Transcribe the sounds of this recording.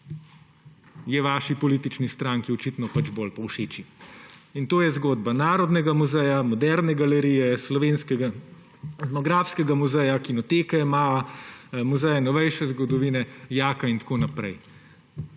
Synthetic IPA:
jɛʋaːʃipɔliːt̪it͡ʃnist̪ɾaŋkiɔt͡ʃit̪nɔpad͡ʒbolpɔwʃeːt͡ʃiint̪oːjɛzɡoːd̪banaːɾɔd̪nɛɡamuzɛjamɔd̪ɛɾnɛɡalɛɾijɛslɔʋeːnskɛɡa | nɔɡɾafskɛɡamuzɛjakinɔt̪eːkɛmaːamuzɛjɛnɔʋɛjʃɛzɡɔd̪ɔʋiːnɛjaːkaint̪ḁkoːnapɾɛj

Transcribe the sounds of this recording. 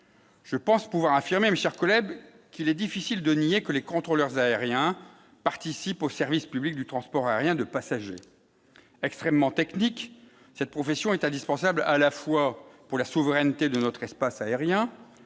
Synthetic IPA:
ʒ̥əpɑ̃spuvwaʁafiʁmemeʃɛʁkɔlɛb | kilɛd̪ifisild̪əniekəlekɔ̃t̪χolœʁzaeʁjɛ̃ | paʁt̪isiposɛʁvispyblik̚d̪yt̪χɑ̃spɔʁaeʁjɛ̃d̪əpasaʒe | ɛkst̪χɛmːɑ̃t̪ɛknik | sɛt̪̚pχɔfesjɔ̃ɛt̪ɛ̃d̪ispɑ̃sablalafwapuʁlasuvʁɛnt̪ed̪ənɔt̪χɛspasaeʁjɛ̃

